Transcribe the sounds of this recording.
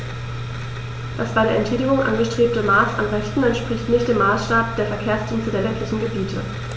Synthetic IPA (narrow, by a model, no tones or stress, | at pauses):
d̥asb̥aɪɾeɐʔɛntʃʰɛːdɪɡʊŋʔa̰nɡəʃtʁ̥eːp̚təmaːsa̰mʁɛçtn̩ɛntʃpʁ̥ɪçtnɪçt̚d̥eːmːaːsʃtaːp̚d̥eːɐfɛɐkʰeːɐsd̥iːnt͡sədeːɐlɛntʰlɪçn̩ɡəbiːtʰə̰